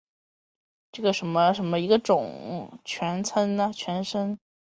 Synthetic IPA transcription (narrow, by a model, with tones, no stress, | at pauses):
ʈ͡ʂɤ˥˩ɡə˩ʂə˧˥nmə˧ʂə˧˥nmə˧i˧˥ɡə˧ʈ͡ʂʊ˨˩ŋt͡ɕʰɥɛ˧˥nt͡sʰə˥nnə˨t͡ɕʰɥɛ˧˥nʂə˥n